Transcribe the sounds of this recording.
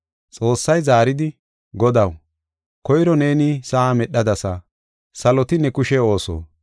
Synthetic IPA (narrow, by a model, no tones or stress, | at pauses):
t͡sʼo̞ːsːɐjzaːɾɪd̪ɪ | ɡɔd̪ɐw | kɔjɾɔne̞ːnisɐamɛɗːɐd̪ɐsɐ | sɐlɔt̪ɪnɛkʊʃɛo̞ːso̰ː